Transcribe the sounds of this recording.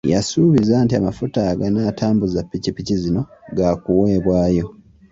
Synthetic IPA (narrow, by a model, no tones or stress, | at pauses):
ja̰suβizantiamafutaɡanaːtʰaːmbuzapːicipːicizino̞ɡakuweːβwaːjo̞